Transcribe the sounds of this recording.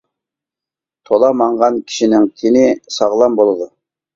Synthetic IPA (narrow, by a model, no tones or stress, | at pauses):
t̪ʰolˠɑmɑɴʁɑnkʲʰi̥ʃinɪŋkʲʰenɪsɑʁlˠɑmbolˠɨd̪u